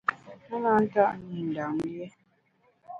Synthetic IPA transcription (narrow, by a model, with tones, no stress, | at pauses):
ɛ˦ŋa˨˦n̩˦ta˦ʔnu˨n̩˨da˨ŋjɛ˦